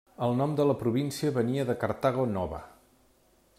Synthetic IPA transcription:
əlˠnɔmd̪ələpɾuβinsiəβəniəðəkəɾt̪aɣonɔβə̰

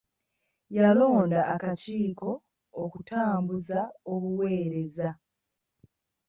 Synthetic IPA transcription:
jalo̞ːndaːkaciːko̞ː | kutaːmbuzaoβuwe̞ːɾe̞za

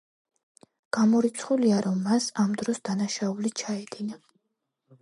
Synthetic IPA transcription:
ɡ̥amɔɾit̪sʰχuliaɾɔmːasamd̪ɾɔsd̪anaʃaulit͡ʃʰaɛd̪ina

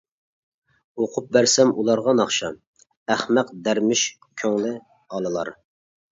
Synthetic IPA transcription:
oqʰʊp̚bæɾsɛmulˠɑɾʁɑnɑχʃɑ | æχmæqd̪æɾmɪʃ | kʲʰøŋlɪ | ɑlˠɨlˠɑ̰ɾ

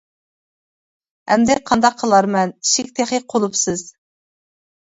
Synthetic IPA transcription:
hɛ̰md̪ɪqʰɑnd̪ɑqʰːəlˠɑɾmɛniʃikʲt̪ʰeχeqʰolˠupsɨz̥

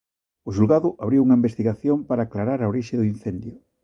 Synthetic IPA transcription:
ʊʃulɣaðʊʔaβɾiwuŋɐimbest̪iɣaθjompaɾaːklaɾaɾaoɾiʃɪðʊin̟θɛnd̪jʊ

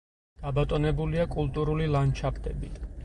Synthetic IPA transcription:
ɡ̥abat̪ʼɔnɛbuliakʼulˠt̪ʼuɾulilant͡ʃʰapʰt̪ʼɛbi

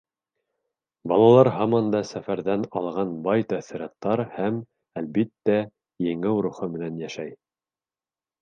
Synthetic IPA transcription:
bɑlˠɑlˠɑɾɦɑmɑnd̪ɑsæfæɾðænɑlˠʁɑnbɑjt̪æθĭɾɑt̪ːɑɾhæm | ælbit̪ːæ | jɘ̆ŋɘwɾuχɤmɘ̆nænjæʃæj

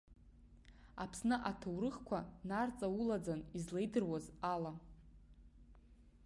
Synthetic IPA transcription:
apʰsnɨʔatʰawɾɨχkʷʰanart͡sʼawulad͡zanizlejdɨrwazala

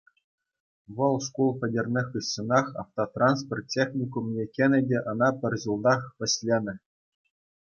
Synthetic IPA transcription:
ʋɤ̆lˠʂkulˠpʲɘ̆dʲĕrʲnʲexʲɯssɤ̆nɑχɑ̰ft̪ot̪rɑnspʲort̪̚ʲtʲːexnʲikumnʲekʲenʲɘ̆dʲeʔɤ̆nɑpʲɘ̆rʲʑulˠd̪ɑχpʲɘ̆ɕʲlʲenʲɘ̆

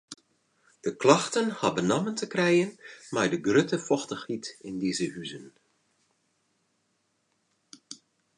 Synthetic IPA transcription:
d̥əklɑxtənhɑbənaməntəkrɛjənmajdəɡrøtəfɔxtəxhitɪndizəhyzən

